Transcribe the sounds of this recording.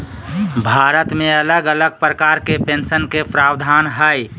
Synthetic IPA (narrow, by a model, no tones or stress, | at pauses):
bʱaːɾət̪mẽələɡələɡ̚pɾəkaːɾkepẽnsənkepɾaːwd̪ʱaːnɦəj